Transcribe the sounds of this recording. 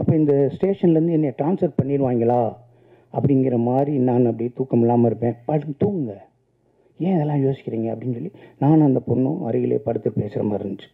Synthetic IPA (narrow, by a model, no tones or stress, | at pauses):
ɐpːɐːɪnd̪ɐsʈeːʂɐnlɐɾɯnd̪ɯɛnːjeʈɾaːnsɐɾʈ̚pɐɳːɪɾɯʋaːŋɡɐlaː | ɐpːɐɽɪŋɡɪɾɐmaːd̪ɾinaːnɐpːɐɽɪit̪uːkːɐmɪlːaːmɐɪɾɯpːẽːpɐɽt̪uːŋɯŋɡɐ | ẽːɪðɛlːãːjoːsɪ̥kʲːɪɾiːŋɡɐɐpːɐɽɪnːsɔɭːinaːnɐnd̪ɐpɔɳːʊ̰̃ʔɐɾɯɣɪlḛːpɐɽɯt̪ːɯʈpeːsɪɾɐmaːɾɯnd̪ɯt͡ʃːɯ̥